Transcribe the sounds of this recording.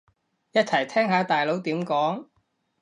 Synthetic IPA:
jɐ˥t̚t͡sʰɐ˨˩jt̪ʰɛː˥ŋɦaː˨˥t̪aː˨jlo˨˥wt̪iː˨˥mkɔː˨˥ŋ

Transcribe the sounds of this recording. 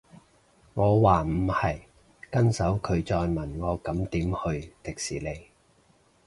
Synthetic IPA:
ŋɔː˨˧waː˨˩m̩˨˩hɐ˨j | kɐ˥nsɐ˨˥wkʰɵ˨˧ɥt͡sɔː˧jmɐ˨˩nŋɔː˨˧kɐ˨˥mt̪iː˨˥mhɵ˧ɥt̪ɪ˨k̚siː˨˩le˨˧j

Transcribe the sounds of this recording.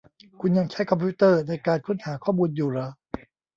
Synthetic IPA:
kʰu˧nja˧ŋt͡ɕʰa˦˥˩jkʰɔ˧mpʰuː˦˥t̪ɤː˥˩naː˧˩jkaː˧nkʰu˥˩nhaː˩˦kʰɔː˥˩muː˧njuː˨˩ɾa˧˥

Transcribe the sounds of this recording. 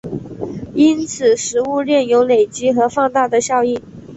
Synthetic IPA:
i˥nt͡sʰɹ̩˨˩ʂɻ̩˧˥u˥˧ɻɛ˥˩njo˧˥ʊle˨˩ɪt͡ɕi˧˥xɤ˧˥fɑ˥˧ŋt̪a˥˩d̪ə˩ɕjɑ˥˧ʊi˥˩

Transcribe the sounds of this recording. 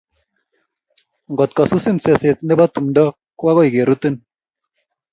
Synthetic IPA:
ŋɡɔ˨t̪̚kɔ˨su˦si˦nse˨se˨t͡sne˦ba˦t̪u˨mdɔ˦ | kwa˦ɣɔ˦i˨ɡe˨ɾu˦t̪i˦n

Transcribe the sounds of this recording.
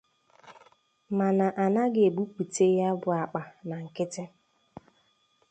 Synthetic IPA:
ma˨na˨ʔa˨na˦ɡe˨bu˦pu˨te˦ja˦bʊ˨a˨k͡pa˨na˨ŋ̩˨kɪ˦tɪ˦

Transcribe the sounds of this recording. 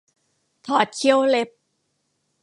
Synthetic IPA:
t̪ʰɔː˨˩t̪̚kʰi˧˥əwle˦˥p̚

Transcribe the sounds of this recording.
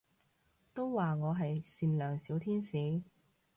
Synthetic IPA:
t̪o˥wwaː˨ŋɔː˨˧ɦɐ˨jsiː˨˧nlœː˨˩ŋsiː˨˥wt̪ʰiː˥nsiː˨˥

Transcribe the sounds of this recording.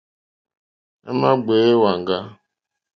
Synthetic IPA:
ɛ̰˦ma˦ɡ͡be˨˦e˦wa˨ŋ̩˨ɡa˦

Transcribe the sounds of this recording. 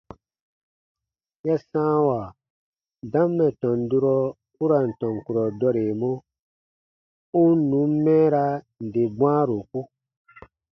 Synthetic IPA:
ja˦sãː˦wa˨ | dã˦mːɛ˨tɔ̃˨ndu˦ɾɔ˦ | u˦ɾa˨n̩˨tɔ̃˨ŋku˨ɾɔ˨dɔ˦ɾe˨mɔ̃˦ | u˦n˦nũ˨˦m˦mɛ̃ː˦ɾa˦ | n̩˨de˨bw̃ã˦ɾo˨ku˦

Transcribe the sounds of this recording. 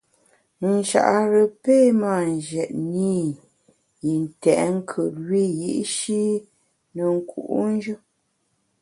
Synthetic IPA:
n̩˨ʃa̰˨ʔa˨ɾə˨pe˦ma˦˨n˨d͡ʒɛ˨ʔni˦ | ji˨n˨tɛ˨ʔŋ̩˦kʰə˨twi˦jḭ˦ʔʃi˦ | nə˨ŋ̩˨kʰṵ˨ʔṵ˦n̩˦d͡ʒə˦

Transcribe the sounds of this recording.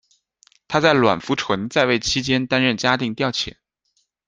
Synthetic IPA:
t̪ʰa˥t͡sa˥˩ɪlwa̰˨˩nfu˧˥ʈ͡ʂʰwə˧˥nt͡sa˥˧ɪwe˥˩ɪt͡ɕʰi˥t͡ɕjɛ˥nt̪a˥nɻə˥˩nt͡ɕja˥t̪i˥˧ŋt̪jɑ˥˩ʊt͡ɕʰjɛ̰˨˩˦n

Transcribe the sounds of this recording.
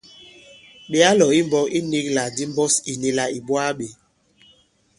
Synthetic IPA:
ɓe˦a˦lɔ˨i˦m̩˦bɔ˦ki˦ni˦kla˨di˦m˦bɔ˦si˨ne˦la˨i˨bwa˦ɓe˨

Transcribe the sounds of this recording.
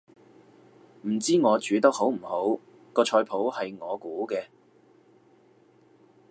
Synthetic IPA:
m̩˨˩t͡siː˥ŋɔː˨˧t͡ʃyː˨˧t̪ɐ˥k̚ho˨˥wm̩˨˩ho˨˥w | kɔː˧t͡ʃʰɔː˧jpʰo˨˥whɐ˨jŋɔː˨˧kuː˨˥kɛː˧

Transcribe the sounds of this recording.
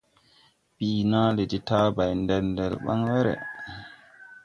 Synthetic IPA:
bi˨naː˦lɛ˨ti˦taː˦ba˨jndɛ˨lndɛ˨lɓa̰˦ŋwɛ˦ɾɛ̰˨

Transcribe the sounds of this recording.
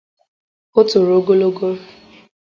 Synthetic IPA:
o˦tʊ˨ɾo˦ɡo˦lo˦ɡo˦

